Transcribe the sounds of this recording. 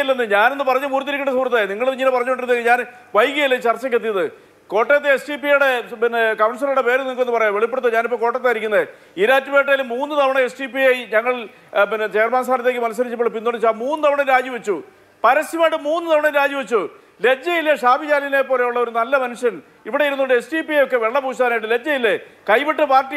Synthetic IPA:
ilːenːɨɲaːne̞nːɨpɐrɐɲːumuːɾt̪ːiɾikʲːuɳːɖɐsuːrɐt̪ːajniŋːɐɭðɲiːnepɐrɐɲːuoɳʈiɾnːekːɨɲaːn | ʋɐjkːijɐilːɐt͡ɕɐrt͡ɕːɐk̬ʲːet̪ːijɐðɨ | ko̞ːʈːet̪ːeesʈipijɽe̞pinːekɐmɳsɐnuɽepeːɾɨnikːenːɨpɐrɐjaʋeɭipːeɽt̪ɐɲaːnipːoːko̞ːʈːɐt̪ːaːjiɾikʲːunːɐðɨ | iɾaːt͡ɕːɨpeːʈːɐjilmuːnːɨt̪ɐʋɐɳɐesʈipijejiɲɐŋːɐɭ | inet͡ɕeːrmaːnsʰaːnɐt̪ːeːk̬ːɨmɐnɐs̬ːɐɾit͡ɕːɐpːoɭːɨp̬ind̪oɳɖit͡ɕːaːmuːnːɨt̪ɐʋɐɳɐnɾaːd͡ʑjuʋɐt͡ɕːu | pɐɾɐsiʋaːʈɨmuːnːɨt̪ɐʋɐɳɐmɾaːd͡ʑjuʋɐt͡ɕːu | le̞d͡ʑːɐjilːeʂaːbid͡ʑaːlilepo̞ːle̞juɭːɐo̞ɾunɐlːɐmɐnuʂjɐn | iʋiɽe̞jiɾunːuɳɖɨesʈiːpiɐjo̞kːe̞ʋeɭːɐpuːɕaːðnaːjiʈːɨle̞d͡ʑːɐjilːekɐjʋeʈːɨpaːrʈːi

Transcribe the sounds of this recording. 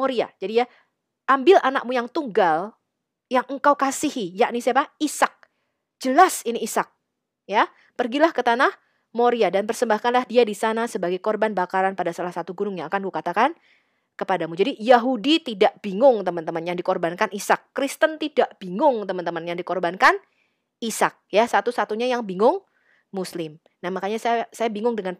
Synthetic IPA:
moɾia̰d͡ʒadija | ʔambɪlʔana̰k̚mujaŋt̪uŋɡal | jaŋəŋkawkasihijaʔnisaapaisak̚ | d͡ʒəlasiniːsak̚ | ja | pərɡilahkət̪anah | moɾiadanpərsəmbahkanlahdiadisanasəbaɡajkɔrbanbakaɾanpadasalahsat̪uɡunʊŋɲaːkankukat̪akan | kəpadamud͡ʒadijaɦudit̪idaʔb̥iŋʊŋt̪əmənt̪əmənjaŋdikɔrbankanisakːɾist̪ənt̪idaʔb̥iŋʊŋt̪əmənt̪əmənjaŋdikɔrbankan | isak̚jasat̪usat̪uɲajaŋbiŋʊŋ | muslɪm | nahmakaɲassajabiŋʊŋdəŋan

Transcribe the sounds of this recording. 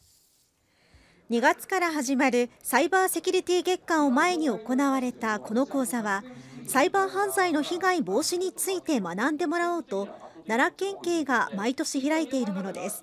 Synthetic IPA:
ɲ̟iɡat͡sɨ̥kaɾaɦaʑimaɾɯ̟saibaːse̞kʲɯɾʲit̪ʲiːɡe̞kːão̞mae̞ɲ̟io̞ko̞naβaɾe̞t̪ako̞no̞ko̞ːzaβasaibaːɦãnzaino̞çiɡãibo̞ːɕiɲ̟it͡sɨit̪e̞manãnd̪e̞mo̞ɾao̞ːt̪o̞naɾakːẽ̞ŋke̞ːɡamait̪o̞ɕiçiɾait̪e̞iɾɯ̟mo̞no̞d̪e̞sɨ̥

